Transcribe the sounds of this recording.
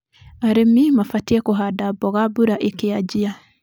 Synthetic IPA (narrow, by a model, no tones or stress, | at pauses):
aɾemimafatiɛkoɦadabɔɣabuɾaʔekead͡ʒia